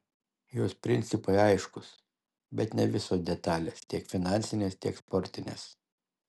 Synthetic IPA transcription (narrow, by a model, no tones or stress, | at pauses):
joːspʲɾʲɪnʲt̪sʲɪpɐɪɐɪʃkʊs | bʲɛt̪nʲɛʋʲɪsoːsd̪ʲɛt̪ɑːlʲeːst̪ʲiɛkfʲɪnɑˑnʲsʲɪnʲeːst̪ʲiɛkspɔɾʲt̪ʲɪnʲḛːs